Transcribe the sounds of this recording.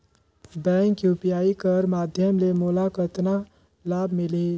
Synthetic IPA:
bɛ̃ːŋkjupijaːikəɾmaːd̪ʱjəmlemulakət̪na | laːbʱmɪle

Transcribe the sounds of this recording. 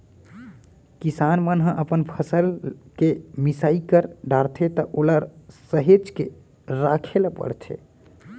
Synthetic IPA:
kisanmənɦə̃ʔəpənpʰəsəlkemisaikəɾɖaɾt̪ʰet̪əʔoləɾsəɦed͡ʒkḛ | ɾakʰelpə̰ɽt͡ʃʰḛ

